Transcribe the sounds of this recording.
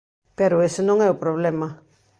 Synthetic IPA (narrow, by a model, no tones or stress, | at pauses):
peɾoesenoŋeupɾoβlema